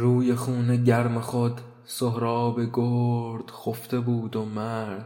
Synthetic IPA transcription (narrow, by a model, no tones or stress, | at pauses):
ɾuːjexuːne̞ɟæɾmexod̪ | soɦɾɒːbe̞ɡoɾd̪̥xoft̪e̞buːd̪omæɾd̪̥